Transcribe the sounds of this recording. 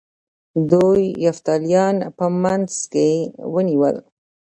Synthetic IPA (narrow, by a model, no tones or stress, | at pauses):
d̪ujːaft̪ɑlijɑnpəmanz̥kewəniwə̰l